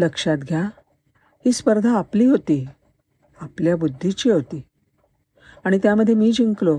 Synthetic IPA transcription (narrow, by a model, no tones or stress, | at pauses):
ləkʂat̪ɡʱja | hiːspəɾd̪ʱaːpliːɦot̪iː | apljabud̪ʱːit͡ɕiːɦot̪iː | aɽ̃it̪jaməd̪ʱːjemiːd͡ʑiŋklo